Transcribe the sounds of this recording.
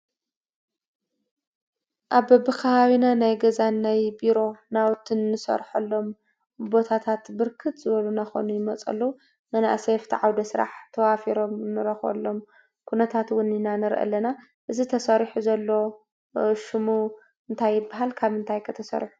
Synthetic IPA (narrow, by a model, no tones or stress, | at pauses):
ʔaβbɐbɨkʰɐβaβinanajɡɐzanːajbiɾo̞nawt̪ʰɨnːɨsɐ̰ɾħɐlːo̞m | bo̞t̪ʰat̪ʰat̪bɨɾkʰɨt̪zɨβɐlunaxo̰nujɪmɐt͡sʼɐ̰lːo | mɐnaʔa̰seft̪ʰiʕawd̪ɐsɨɾa̰ħt̪ʰɐwafiɾo̞mnɨɾɐxɐ̰lːo̞m | kʰunɐt̪ʰat̪wʊninanɨɾʔɐ̰lːɐna | ʔɨzit̪ʰɐsɐɾħuzɐlːo | ʃɨmu | ɨnt̪ʰajːɪbaɦalkʰaβɨnt̪ʰajkʰɨt̪ʰɐsɐ̰ɾħu̥